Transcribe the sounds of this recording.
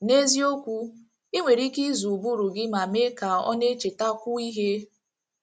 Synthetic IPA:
ne˦zi˦o˦kʷu˦ | i˦ŋʷe˨ɾi˦ki˦zu˨bu˦ɾu˨ɡɪ˦ma˨me˦ka˨ɔ̰˦ne˦t͡ʃe˨ta˦kʷʊ˦i˦ɦe˦

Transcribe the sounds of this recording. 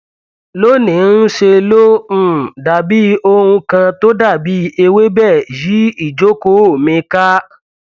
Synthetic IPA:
lo˦nĩ˨˦n̩˦ʃe˧lo˦ũ˦˨da˨bi˦o˧ɾ̃ũ˧kã˧to˦da˦˨bi˨˦e˧we˦bɛ˦˨ji˨˦i˦˨d͡ʒo˨˦ko˦o˦˨mĩ˧ka˦

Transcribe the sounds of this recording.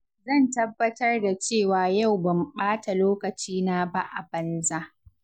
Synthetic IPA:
zɐ˦˨ntɐ˦bːɐ˦tɐ˦rda˨t͡ʃeː˦˨waː˨ja˦˨wbɐ˨mɓaː˦ta˨loː˦kɐ˨t͡ʃiː˦na˦ba˦ʔa˨bɐ˦nza˦ʔ

